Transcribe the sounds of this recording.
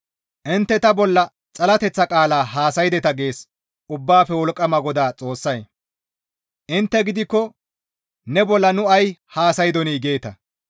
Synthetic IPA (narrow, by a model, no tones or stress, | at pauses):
ʔɪnt̪ːɛt̪ɐbɔlːɐ | t͡sʼɐlɐt̪ɛt͡sːɐkʼaːlaːɦaːsɐjɪd̪ɛt̪ɐɡe̞ːs | ʊbːaːfɛwɔlkʼːɐmɐɡɔd̪aːt͡sʼo̞ːsːɐj | ʔɪnt̪ːɛɡɪd̪ɪkːɔ | nɛbɔlːɐnʊɐjhaːsɐjɪd̪ɔniːɡe̞ːt̪ɐ